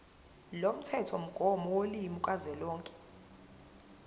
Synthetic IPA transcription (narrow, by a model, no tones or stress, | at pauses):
lom̩tʰɛtʰɔm̩ɡ̥ʱɔmɔwolimukʼazɛlɔːŋkʼɛ̥